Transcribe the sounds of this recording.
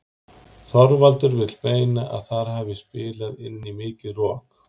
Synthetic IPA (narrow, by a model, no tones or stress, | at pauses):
θɔɾvalt̪ʏɾvɪt̪l̥peːjnaʔa̰ðθaɾ̥hɛːvɪspɪːlaðɪnːimɪːcɪðrɔːk